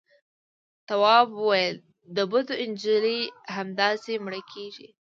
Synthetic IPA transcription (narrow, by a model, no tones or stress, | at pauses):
t̪awɑbuwajəl | d̪əbʊd̪oɪnd͡ʒilihamd̪ɑsemɽəkʰeʒḭ